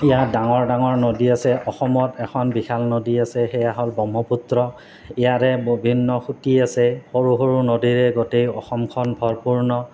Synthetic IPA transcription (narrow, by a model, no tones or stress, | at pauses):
ijadaŋɔɹdaŋɔɹnodiasɛʔɔxɔmɔtɛkʰɔnbixʰalnodiasɛxɛjaɦɔlbɔmɔputɹɔ | ijaɹɛbbʱinːɔxutiasɛhoɹuɦoɹunodiɹɛɡotejɔxɔmkʰɔnbʱɔɹpuɹnɔ